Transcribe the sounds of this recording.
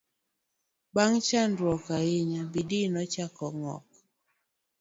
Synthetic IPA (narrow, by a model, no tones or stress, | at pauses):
baŋt͡ʃandɾwɔkaɪɲabidinɔt͡ʃakɔŋɔ̰k̚